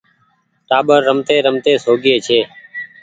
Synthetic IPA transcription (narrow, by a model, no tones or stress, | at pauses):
ʈaːɓəɾːəmt̪eːɾəmt̪eːsoːɡeːt͡ʃʰeː